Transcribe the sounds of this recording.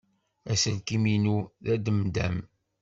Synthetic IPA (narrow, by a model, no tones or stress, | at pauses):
æsəlkiminuðæd̪əmd̪æm